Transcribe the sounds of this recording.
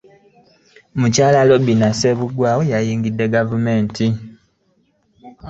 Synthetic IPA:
mucaːlalo̞binase̞βuɡwaːwojajiːŋɡidːe̞ɡavume̞ːntʰi

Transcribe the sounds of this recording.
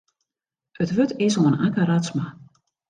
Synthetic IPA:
ətʋøtɪsoənakaɾasma

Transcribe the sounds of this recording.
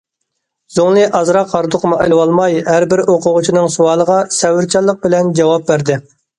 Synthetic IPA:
z̥oŋlˠɨʔɑzɾɑqʰːɑɾɨd̪ʊqʰəmuʔelwɑlˠmɑjhæɾbɪɾoqʰʊʁʊt͡ʃʰinɨŋsuwɑːlˠəʁɑsɛwɪɾt͡ʃʰɑlˠːəq̚bɪlɛnd͡ʒɑwɑp̚bæɾd̪ɪ

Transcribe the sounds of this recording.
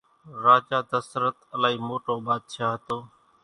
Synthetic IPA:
ɾaːd͡ʒaːd̪əsəɾət̪əlaːɦiːmoːʈoːbaːd̪̚t͡ʃʰaːɦt̪oː

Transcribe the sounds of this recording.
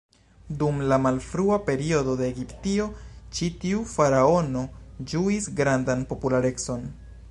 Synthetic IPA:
dumlamalfɾuape̞ɾio̞do̞de̞ːɡiptio̞t͡ʃitiufaɾao̞no̞d͡ʒuisɡɾandanpo̞pulaɾe̞t͡so̞n

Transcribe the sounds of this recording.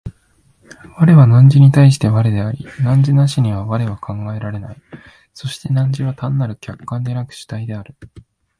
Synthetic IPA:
βaɾe̞βanãɲ̟d͡ʑiɲ̟it̪aiɕ̬i̥t̪e̞βaɾed̪e̞aɾʲinãɲ̟d͡ʑinaɕiɲ̟iβ̞aβaɾe̞βakʰãŋɡae̞ɾaɾe̞nai | so̞ɕi̥t̪e̞nãɲ̟d͡ʑiβ̞at̪ãnːaɾɯ̟kʲakːãnd̪e̞nakɯ̟̥ɕi̥t̪aid̪e̞aɾɯ̟

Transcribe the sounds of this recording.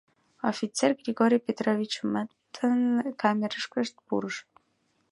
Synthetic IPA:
ofʲit̪t͡serɡrʲiɡoɾʲijpʲet̪rovʲit͡ɕmat̪t̪ʰːənkʰamʲeɾəʃkəʃt̪̚pṵɾəʃ

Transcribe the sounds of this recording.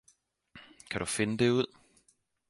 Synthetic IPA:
kʰæɾ̥ufe̝nəd̥e̝uð̞̰ˠ

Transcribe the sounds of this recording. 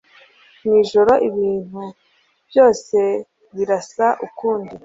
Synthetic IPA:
miːʒo̞ɾo̞ʔiβiːn̥hu | b̥jo̞ːse̞ | βiɾasaʔukuːndi

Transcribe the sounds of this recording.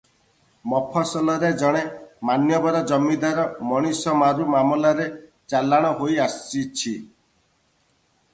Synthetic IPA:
mɔpʰɔsɔlɔɾed͡ʒɔɽ̃emanjɔbɔɾɔd͡ʒɔmːid̪aɾɔmɔɽ̃isɔmaɾumamɔlaɾe | t͡ʃalːaɽ̃ɔɦojast͡ʃit͡ʃʰi

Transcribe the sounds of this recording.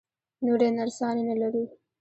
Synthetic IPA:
noɖenaɾsɑnenalaɾi

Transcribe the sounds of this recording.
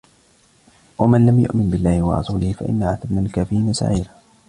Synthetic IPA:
wamanlamjʊ̰ʔmɪnbɪlːaːhɪwɑ̰ɾˤɑ̰suːlɪhɪfa̰ʔɪ̰nːaʕat̪abnalkaːfɪɾiːnasa̰ʕiːɾa

